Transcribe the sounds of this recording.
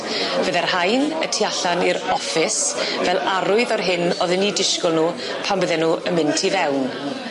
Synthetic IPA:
b̥əðɛrhajnə̰tʰiaɬanɪɾɔfɪsvɛlˠaɾʊɨðɔrɦɪnɔðɛnidɪʃkɔlˠnuː | pʰambəðɛnuːəmɪntʰivɛwn

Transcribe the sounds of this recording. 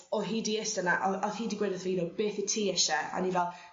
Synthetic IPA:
ɔɦiːdiɛsənaʔɔɔθhiːdiɡwedəθviːnɔbeːθitʰiːɛʃɛa̰nivɛlˠ

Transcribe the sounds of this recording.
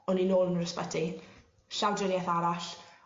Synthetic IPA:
ɔninoːlˠənrəspədi | ɬawdənjɛθaɾaɬ

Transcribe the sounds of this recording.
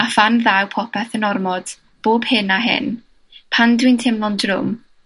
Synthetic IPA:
afanðawpʰɔpʰɛθənɔrmɔd̥ | b̥oːb̥hɪnaɦɪ̰n | pʰandwiɨntʰɪmlˠɔndrʊ̰m

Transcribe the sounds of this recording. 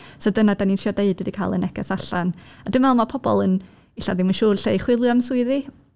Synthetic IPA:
sodənadanintʰriɔdeɨdɨdikʰajlˠənɛkɛsaɬanadɪmvɛlˠmapʰɔbɔ̰lˠən | ɪɬa̰ðimanʃuːrɬejχwɪlˠjamsʊɨði

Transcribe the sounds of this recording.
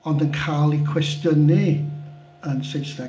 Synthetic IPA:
ɔndənkʰaːlˠikʰwɛsdəni | ənsɪnsðɛ

